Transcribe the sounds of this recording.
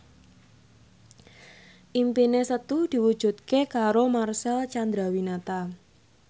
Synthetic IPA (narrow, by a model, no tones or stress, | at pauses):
ʔimpinesət̪ud̪̥i̤wud̥ʒ̥ṳt̪̚kekaɾomarsɛlt͡ʃand̪ɾawinat̪a